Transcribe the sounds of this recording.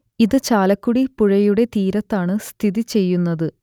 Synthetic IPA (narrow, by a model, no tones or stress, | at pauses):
iðɨt͡ɕaːlɐkːuɽipuɻɐjuɽe̞t̪iːɾɐt̪ːaːɳɨst̪ʰiðit͡ɕe̞jːunːɐðɨ